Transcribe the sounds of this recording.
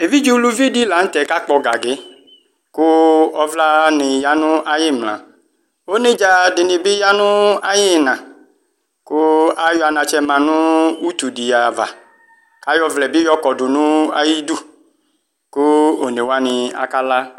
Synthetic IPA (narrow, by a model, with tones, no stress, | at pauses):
e˨vi˦d͡ʒu˦lu˧vi˦di˦la˨n̩˦tɛ˨ka˦k͡pɔ˧ɡa˨ɡe˨˦ | kʊ˦ɔ˦vla˦nɪ˨ja˦nũ˦a˦jɪ˦mlã̰˨ | o˦ne˦d͡ʒa˧dɪ˨nĩ˧bɪ˦ja˦nʊ̃˦a˦jɪ˦˨nã˨ | kʊ˦a˦jɔ˦a˧nã˧t͡ʃɛ˦mã˨nũ˦u˦t̪u˨di˨ja˨va̰˨ | ka˦jɔ˧vlɛ˨bi˦jɔ˦kɔ˨du˨nũ˦a̰˦ji˦du˦˨ | kʊ˦o˨ne˨wa˦nĩ˧a̰˨ka˦la˦